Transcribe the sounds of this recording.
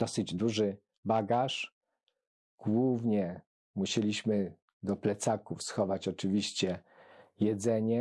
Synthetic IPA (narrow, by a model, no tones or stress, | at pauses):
d̪ɔsɘd͡ʑd̪uʐɘ | baɡaʂ | ɡ̥wuvɲɛ | muɕelʲiɕmɘ | d̪ɔplɛt̪sakufsxɔvat͡ɕɔt͡ʂɘvʲiɕt͡ɕɛjɛd̪zɛɲɛ